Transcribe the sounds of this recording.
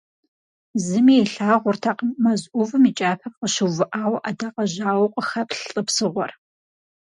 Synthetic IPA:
zɨmiɛɬaːʁʷʊrtʰaqmɐzʔʷʊvɨmit͡ʃʼaːpʰɐp̚qəʃɨwvɨʔaːwɐʔɐdɐqɐʑaːwɐqʷʼəxɐpɬɬʼəpsɨʁʷɔ̰r

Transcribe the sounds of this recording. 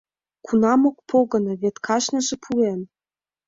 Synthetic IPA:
kʰunɑmok̚pʰoɣɤ̆nɤ̆βet̪kʰɑʃnɤ̆ʒĕpʰuem

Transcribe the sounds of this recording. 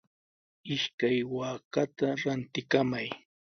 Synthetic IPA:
ɪʃkajwaːkat̪aɾant̪ɪkamaj

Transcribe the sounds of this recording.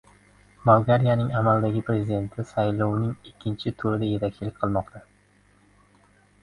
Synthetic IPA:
bɒlˠɡaɾijanɪŋamalˠd̪aɡʲɪpɾe̞zid̪e̞nt̪ʰɪsajlˠɒwnɪŋɪkʲʰːɪnt͡ʃʰɪt̪ʰʊɾɪd̪aje̞t̪ʰak̚ʲt͡ʃʰɪlɪkʲqʰɨlˠmɒqt̪ʰa

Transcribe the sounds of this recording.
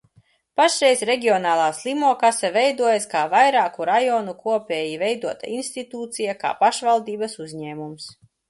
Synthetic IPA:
paʃɾɛjzɾɛɡʲiɔnaːlˠaːslʲˠimuɔkasavɛjd̪uɔjaskaːvajɾaːkuɾajɔnukuɔpʲeːjivɛjd̪uɔt̪a̰inst̪it̪uːt̪sijaka̰ːpaʃvalˠd̪iːbɐsuzɲɛːmums

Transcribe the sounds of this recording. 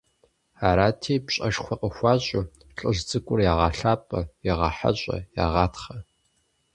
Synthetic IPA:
aːɾaːtʰeːpɕʼɐʂxʷɔqʼəxʷɑːɕʼʊ | ɬʼɨʑt͡sʼɨkʷʼʊrjaːʁɑːɬaːpʼɐjɛʁɑːħa̰ɕʷʼɐ̰ja̰ːʁɑːtχɐ

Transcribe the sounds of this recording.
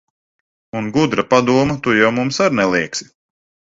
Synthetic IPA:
unɡud̪ɾɐpad̪uɔmɐt̪ujawmumsaɾnɛlˠiɛksi̥

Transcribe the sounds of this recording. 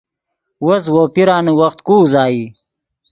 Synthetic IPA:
wos̬woːpiɾɑːniwɐxt̪kuːzɑːi

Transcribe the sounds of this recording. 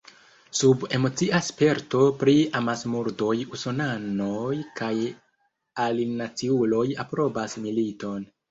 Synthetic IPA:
sube̞mo̞t͡siʔaspe̞ɾto̞pɾiamasmuɾdo̞jusonanojkaj | alinat͡siulo̞japɾo̞basmilito̞n

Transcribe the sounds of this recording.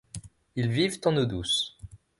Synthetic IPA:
ilvivt̪ɑ̃nod̪us

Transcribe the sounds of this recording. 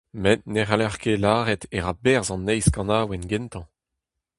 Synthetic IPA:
mɛt̪̚neʁalaʁkelaːʁɛt̪eʁabɛʁzɑ̃nːɛjskɑ̃naːwɛnɡɛnt̪ɑ̃

